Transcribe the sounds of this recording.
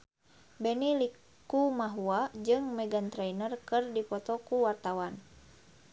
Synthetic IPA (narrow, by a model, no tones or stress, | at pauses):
bɛnili | kumaɦuad͡ʒɨŋmɛɡant̪ɾɛinərkɨrdipɔt̪ɔkuwart̪awan